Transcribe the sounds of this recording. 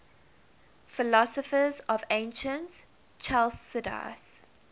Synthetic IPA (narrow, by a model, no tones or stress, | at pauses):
fɪlɔsəfəzɔvẽɪ̃nʃə̃nt | t͡ʃʰalsːɪda̰s